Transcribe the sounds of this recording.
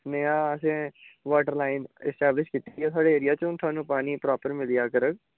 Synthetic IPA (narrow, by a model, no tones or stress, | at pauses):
neːãːəsẽːʋaːʈəɾlaːɪnɪ̰sʈɛːblɪʃkiːt̪eɡijaːt̪ʰʊaːɖeːeɾɪjaːt͡ʃʊnt̪ʰʊwaːnũːpaːniːpɾaːpəɾmɪlijaːkəɾək̚